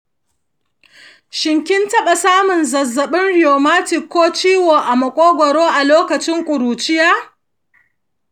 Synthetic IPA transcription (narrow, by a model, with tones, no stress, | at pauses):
ʃɪ˨ŋkʲɪ˦ntɐ˦ɓa˨saː˦mʊ˨nzɐ˨zːɐ˨ɓɪ˦nɽɪ˨joː˨maː˦tɪ˨kːoː˦t͡ʃiː˦woː˨ʔa˨mɐ˨kʷʼoː˦ɡʷɔ˨ɾoː˦ʔa˨loː˦kɐ˨t͡ʃɪ˦ŋkʷʼʊ˨ɾuː˨t͡ʃɪ˦jaː˦